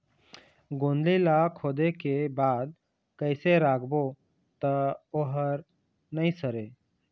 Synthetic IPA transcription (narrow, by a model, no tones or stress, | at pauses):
ɡõːnd̪lilakʰoːd̪ekebaːd̪̚ | kəɪseɾaːkʰbo | t̪əoɦəɾ | nəĩsəɾeː